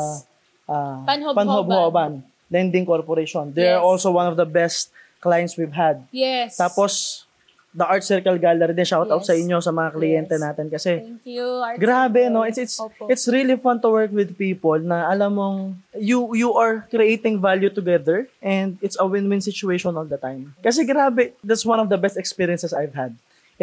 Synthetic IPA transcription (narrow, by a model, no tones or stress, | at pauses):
ʔapɐnɦobhoban | lɛnd̪ɪŋkoɹpɔɾeʃond̪ɛɹʔolsowãnɔvd̪ɐbɛst̪̚ | klajɛnswivɦɐd̪̚jt̪aːpos | d̪ɐʔaɹt̪sɪɹkɐlɡaːlɐɾid̪ɪʃawt̪awt̪sɐʔɪɲjo̞sɐmɐŋaklɪjɛnt̪ɛnaːt̪ɪnkɐsɛ | ɡɾaːbɛnoʔɪsɪt̪sɪt̪sɾilifɐ̃nd̪̚t̪ʊwɛɹkwɪd̪̚piːpolnɐʔɐlamːoŋjujuʔɐɹkɾiʔejt̪ɪ̃ŋvaljut̪ʊɡɛðəɹʔɛ̃nd̪̚ɪt̪sɐwɪnwɪ̃nsɪt͡ʃʊeʃɔ̃nʔold̪ɐt̪ãjmkɐs̬ɛɡɾaːbɛd̪at̪swãnɔvd̪ɐbɛst̪ɛkspiɹiɐnsɛsajvhɐd̪̚